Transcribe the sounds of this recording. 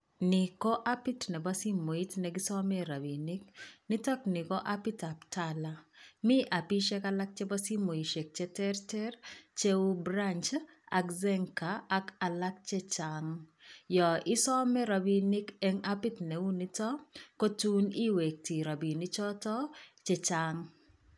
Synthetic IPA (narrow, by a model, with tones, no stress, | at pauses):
nɪkɔ˦ʔa˦pi˦tnɛ˨ba˦si˦mːo˨i˦tnɛ˨ɡi˦sɔ˦mɛ˦ɾa˨bi˨ni˦knɪ˦tɔ˦knɪ˨kɔ˦ʔa˦pi˦ta˨ptalamɪ˦ʔa˨pi˦ʃɛ˦ka˦la˦k̚t͡ʃɛ˦ba˦si˦mo˨i˨ʃɛ˨k̚t͡ʃɛ˦tɛ˦rtɛ˦rt͡ʃe˦wu˦bɾant͡ʃ | a̰˨kzɛ˦ŋkaː˨˦ka˨la˦k̚t͡ʃɛ˦t͡ʃaŋjɔ˨ʔɪ˦sɔ˦mɛ˦ɾa˨bi˦nɪ˦ke˦ŋa˦pɪ˦tnɛ˨wu˦nɪ˦tɔ˦kɔ˦tu˦ni˦we˨k̚ti˨ɾa˨bi˨nɪ˦t͡ʃɔ˦tɔ˦t͡ʃɛ˦t͡ʃaŋ